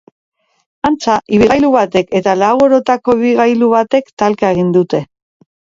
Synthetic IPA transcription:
ant͡saʔiβiɣajluβat̪e̞ke̞t̪alawoɾo̞t̪ako̞iβiɣajluβat̪e̞kt̪alkae̞ɣ̞ind̪ut̪e̞

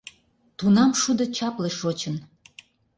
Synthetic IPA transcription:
t̪unɑmʃud̪ə̆t͡ɕɑpleʃot͡ɕən

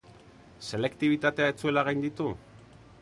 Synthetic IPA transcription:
se̞le̞kt̪iβ̞it̪at̪e̞ae̞t͡sue̞laɣajnd̪it̪u

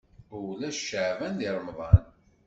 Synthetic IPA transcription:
ulæʃʃəʕvænd̪iɾˤəmðˤɑn

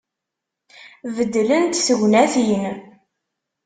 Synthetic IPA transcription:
vəd̪ːlənt̪səʝʷnæθiən

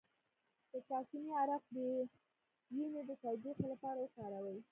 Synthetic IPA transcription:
d̪̥ət̪ɑkimiaɾaqd̪ə | ʒined̪ət̪awd̪ɾixlapɑɾawəkɑɾawəj

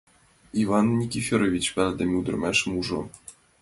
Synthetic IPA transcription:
ivɑnːʲikʲifʲeɾovʲit͡ɕpʲælʲd̪ɘ̆mʲud̪ɘ̆rmʲæʂmuʐŏ̰

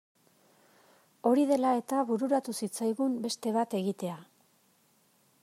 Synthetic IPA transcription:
o̞ɾið̞e̞lae̞t̪aβuɾuɾat̪usit͡sajɣumbe̞st̪e̞β̞at̪e̞ɣit̪e̞a

